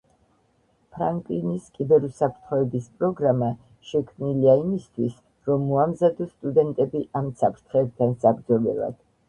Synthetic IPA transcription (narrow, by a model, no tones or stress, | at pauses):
pʰɾaŋkʼliniskʼibɛɾusapʰɾt̪ʰχɔɛbispʼɾɔɡɾama | ʃɛkʰmniliaimist̪ʰwis | ɾɔmːɔamzad̪ɔst̪ʼud̪ɛnt̪ʼɛbiʔamsapʰɾt̪ʰχɛːb̚t̪ʰansabɾd̪zɔbɛ̰lˠa̰d̪̥